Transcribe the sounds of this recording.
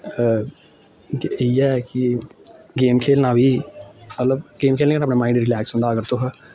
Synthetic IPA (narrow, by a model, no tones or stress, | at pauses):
iɛːkɪ | ɡeːmkʰeːlnaːʋiːmət̪ləbɡeːmkʰeːlnẽkanapnãːmaːɪ̃ɳɖɾɪlɛːksɦʊ̃nd̪aːəɡəɾt̪oɦə